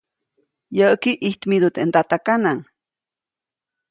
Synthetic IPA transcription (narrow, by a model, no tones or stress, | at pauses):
jəʔkiʔiht̪mid̪ut̪ʔent̪at̪akanaŋ